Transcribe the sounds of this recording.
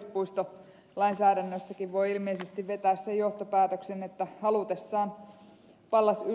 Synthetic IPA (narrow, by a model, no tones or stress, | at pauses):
spuist̪o | lɑinsæːdænːøsːækiʋʋo̞iilmeisest̪iʋʋe̞t̪æːssejoht̪opæːt̪øksenet̪ːæhɑlut̪esːɑːn | pɑlːɑsy